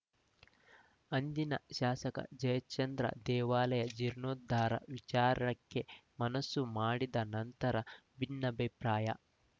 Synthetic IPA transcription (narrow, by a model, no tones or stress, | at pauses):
ɐnd̪inɐʃaːsɐkɐ̰d͡ʒɐjɐt͡ʃːɐnd̪ɾɐ̰d̪ɛːʋaːlɐjɐd͡ʒiɾnoːd̪ʱːaːɾɐ̰ʋit͡ʃaːɾɐɳɐkːemɐnɐsːumaːɽid̪ɐnɐnt̪ɐɾɐbʱinːɐbʱipɾaːjɐ̰